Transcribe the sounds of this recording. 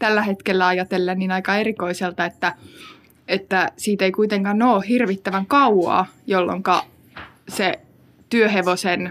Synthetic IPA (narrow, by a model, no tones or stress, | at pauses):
t̪ælːæhet̪kelːæɑjɑt̪elːenninɑikɑerikoiselt̪ɑet̪ːæ | et̪ːæsiːt̪eikuit̪eŋkɑnːoːhirʋit̪ːæʋæŋkɑwɑ̰ːjolːo̰ŋkɑ | se | t̪yøɦeʋosen